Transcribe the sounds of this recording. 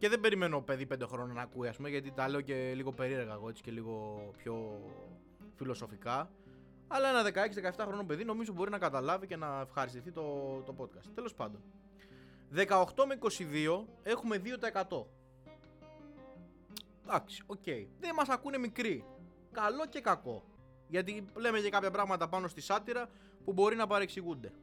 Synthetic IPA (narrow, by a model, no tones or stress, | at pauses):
ce̞ðe̞be̞ɾime̞no̞pe̞ðipe̞nd̪e̞xɾo̞nonɐːkuiɐspumeʝɐt̪̬it̪ɐle̞oce̞liɣope̞ɾie̞ɾɣɐeɣo̞e̞t͡si̥ce̞liɣo̞pço̞ | filo̞sofikɐ | ɐlɐe̞nɐðe̞kɐe̞ksiðekɐeft̪ɐxɾo̞nope̞ðino̞mizo̞bo̞ɾinɐkɐt̪ɐlɐvice̞nɐefxɐɾist̪iθit̪o̞t̪o̞po̞t̪̚kɐst̪t̪e̞lo̞spɐnd̪on | ðe̞kɐoxt̪o̞meiko̞siðio̞e̞xume̞ðio̞t̪ɐe̞kɐt̪o̞ | d̪̥ɐksi̥o̞ce̞iðemɐsɐkune̞mikɾi | kɐlo̞ce̞kɐko̞̰ | ʝɐt̪̬ilemecekɐpçɐpɾɐɣmɐt̪ɐpɐno̞st̪isɐt̪iɾɐ | pubo̞ɾinɐpɐɾeksiɣund̪e̞